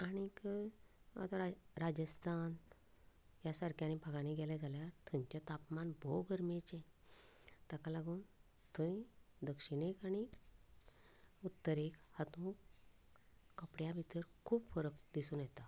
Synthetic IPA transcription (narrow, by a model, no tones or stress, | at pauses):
aɽ̃ik | a̰t̪aɾad͡ʑəst̪ʰan | jasaɾkjanibʱaɡaniɡɛlad͡zʱaljat̪ʰũɲt͡ɕat̪apmanbʱobʱəɾmet͡ɕẽ | t̪akalaɡuːn | t̪ʰũĩd̪əkʂiɽ̃ekaɽ̃i | ut̪ːəɾekhat̪ũ | kəpɽjabʱit̪əɾkʰuːbfəɾəkd̪isũːnjɛt̪a